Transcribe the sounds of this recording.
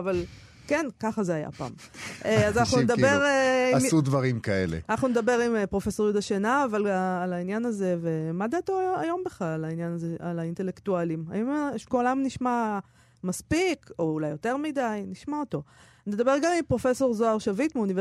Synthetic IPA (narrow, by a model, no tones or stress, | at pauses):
aval | kenkaχazeaja̰pa̰ːmʔeazanaχnunedabeʁeimsud̪vɐʁimkaelḛanaχnuned̪abe̞ʁimpʁo̞fe̞so̞ʁjud̪aʃenaːvalaːlainjanaze̞ve̞mad̪at̪oajo̞mbeχlallainjanazealaintelektualima̰jomʃkoːlamniʃma | maspikoulajːo̞te̞ʁmid̪ajniʃmaot̪o̞ | ned̪abe̞ʁɡamimpʁo̞fe̞so̞ʁzoaʁʃavitmeunive